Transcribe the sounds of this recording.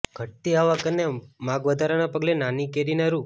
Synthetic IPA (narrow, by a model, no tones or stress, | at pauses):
ɡ̥ʱət̪iaʋakənːemaɡʋəd̪ʱaɾanapəɡlenanikeɾinaɾu